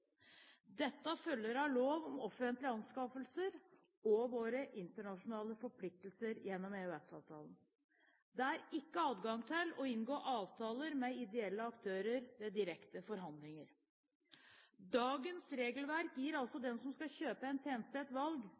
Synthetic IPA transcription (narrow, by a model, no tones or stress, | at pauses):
d̪ɛt̪ːəfœlːəɾɑloːʋɔmɔfənt̪lɪɑnskɑfəlsəɾ | ɔʋoːɾəʔɪnt̪əɳɑʂʊnɑːləfɔɾpʰlɪk̚t̪əl̩səɾjɛnːɔmeʉɛsɑ̰ːʋt̪ʰɑ̰ːlən | d̪ɛæɾɪkːəɑːd̪ɡɑŋt̪ʰɪlɔɪnɡoːʔɑːʋt̪ʰɑːləɾmɛɪd̪ɛɛlːəɑkt̪ʰøːɾəɾʋeːd̪ɪɾɛkt̪əfɔɾɦɑnd̪lɪŋəɾ | d̪ɑːɡənsɾeːɡəlʋæɾkjiːɾɑlsɔd̪ɛnsɔmskɑɕøːpəɛnt̪ʰeːnst̪eːt̪ʋɑlɡ